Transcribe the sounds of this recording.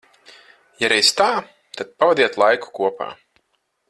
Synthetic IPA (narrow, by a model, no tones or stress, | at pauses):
jaɾɛjst̪aː | t̪ad̪̥̚pavad̪iɛt̪lˠajku̥kuɔpa̰ː